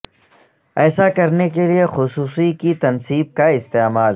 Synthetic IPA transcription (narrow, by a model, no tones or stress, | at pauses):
ɛːsakɐɾnekeliexʊsuːsikit̪ɐnsiːb̚kaɪst̪eːmaːl